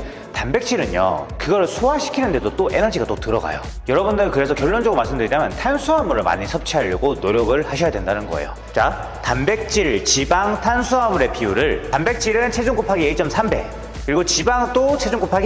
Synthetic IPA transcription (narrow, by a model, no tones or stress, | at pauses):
tanbe̞k̚t͡ɕ͈ʰiɾɯɲo̰kɯɡʌɾɯɭsʰoɦaɕʰi̥kʰinɯnde̞dot͈oʔe̞nʌd͡ʑiɡat͈otɯɾʌɡa̰jo̰ | jʌɾʌbundɯɭkɯɾe̞sʰʌkjʌɭːond͡ʑʌɡɯɾomaɭs͈ɯmndɯɾiɲamjʌntʰansʰuɦamuɾɯɭma̰ɲisʰʌp̚t͡ɕʰiɦaʎːʌɡonoɾjʌɡɯɭhaɕʰʌjadwe̞ndanɯnɡʌḛjo̰ | t͡ɕa | tambe̞k̚t͡ɕ͈iɭt͡ɕibaŋtʰansʰuɦamuɾe̞piuɾɯɭtambe̞k̚t͡ɕ͈iɾɯnt͡ɕʰe̞d͡ʑunk͈opʰaɡiiɭt͡ɕ͈ʌmsʰambe̞̰ | kɯɾiɡot͡ɕibaŋt͈ot͡ɕʰe̞d͡ʑuŋk͈opʰaɡi